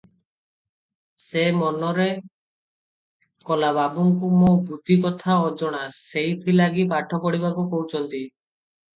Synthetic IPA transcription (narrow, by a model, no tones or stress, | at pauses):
semɔnɔɾe | kɔlababuŋkumobud̪ʱikɔt̪ʰaɔd͡ʒɔɽ̃asejt̪ʰilaɡipaʈʰɔpɔɽibakukowt͡ʃʰɔnt̪i